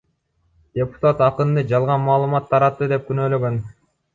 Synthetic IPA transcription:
d̪̥ʲe̞pu̥t̪at̪ɑqɯnd̪ɯd͡ʒɑlˠʁɑnmɑːlˠɯmɑt̪ʰːɑɾɑt̪ːɯd̪e̞p̚kynøːlø̞ɡø̞n

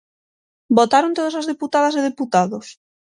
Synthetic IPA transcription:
bot̪aɾõnt̪oð̞asazðeput̪aðɐseð̞eput̪aðos

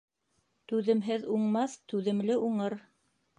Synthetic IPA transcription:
t̪ʉðɘ̆mɦɘðuɴmɑθt̪ʉðɘ̆mlɘʔuɴɤɾ

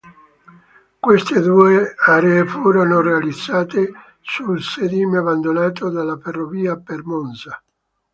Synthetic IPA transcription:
kwest̪ed̪uːeaːɾeːfuːɾonorealid̪z̥ːaːt̪e | sulsed̪iːmavand̪onaːt̪od̪alːaferːoviːapermonsa

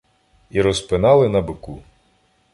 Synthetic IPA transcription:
iɾɔspɪnɑlˠɪnɐbɪku

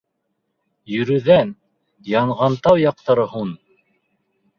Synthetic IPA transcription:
jɵ̆ɾɵ̆ðæn | jɑɴʁɑnt̪ɑwjɑq̚t̪ɑɾɤhun

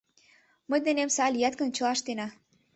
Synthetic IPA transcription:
məjd̪enemsɑlʲijɑt̪kə̆nt͡ɕɤ̆lɑʃt̪enɑ

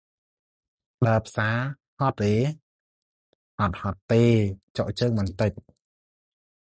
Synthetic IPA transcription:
ɗaəpʰsaː | hɑt̪̚ːeː | ʔɑt̪̚hɑt̪ːeːt͡ɕoʔt͡ɕəːŋmɨnt̪ɨc̚

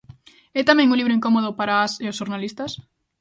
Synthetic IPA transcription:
ɛt̪amɛ̃ŋũliβɾʊiŋkomoðʊpaɾaaseos̬ʃoɾnalist̪as

